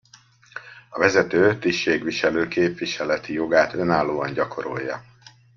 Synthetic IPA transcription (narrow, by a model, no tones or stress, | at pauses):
ɒvɛzɛt̪øːt̪iʃːeːɡʋiʃɛløːkeːpʋiʃɛlɛt̪ijo̞ɡaːt̪ø̞naːlːoːɒɲɟɒkʰo̞ɾo̰jːɒ̰